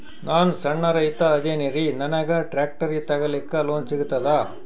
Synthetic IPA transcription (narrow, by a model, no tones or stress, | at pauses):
naːnsɐɳːɐɾɐit̪ɐːd͡ʒeːniɾinɐnɐɡɐʈɾaːk̚ʈɐɾit̪ɐɡɐlikːɐloːnsiɡut̪ːɐd̪ɐ